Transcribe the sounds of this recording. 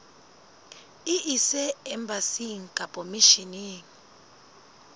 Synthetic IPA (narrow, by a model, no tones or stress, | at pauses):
iʔisɛɛmbasiŋkʼapʼɔmiʃiniŋ